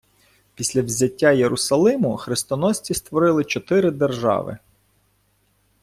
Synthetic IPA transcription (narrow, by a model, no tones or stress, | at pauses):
pʲisʲlʲɐwzʲɐtʲːajeɾʔʊsɐlˠɪmʊxɾɪst̪ɔnɔsʲt͡sʲist̪ʋɔɾɪlˠɪt͡ʃɔt̪ɪɾɪd̪erʒɑ̰ʋɪ̰